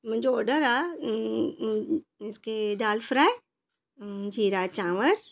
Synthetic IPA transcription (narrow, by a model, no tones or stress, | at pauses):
mʊ̃ɲd͡ʒoɔːɾɖəɾaː | ɪsked̪aːlfɾaːe | d͡ʒʱiːɾaːt͡ʃãːʋəɾ